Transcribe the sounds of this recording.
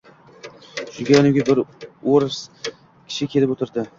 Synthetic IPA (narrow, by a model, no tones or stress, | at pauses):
ʃʊlɡʲaɒnɪɡʲabɪɾoɾs | kʲʰɪ̥ʃɪkʲʰe̞lɪpot̪ʰɪɾd̪ɪ